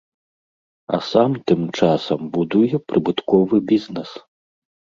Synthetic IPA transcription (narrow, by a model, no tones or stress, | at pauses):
ɐ̰samt̪ɨmt͡ʂasɐmbud̪ujɛpɾɨbɨt̪kɔvɨbʲiznɛs